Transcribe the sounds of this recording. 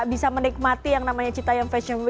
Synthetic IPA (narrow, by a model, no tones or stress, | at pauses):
bisamənik̚mat̪ijaŋnamaɲat͡ʃit̪ajaŋfɛsɔnw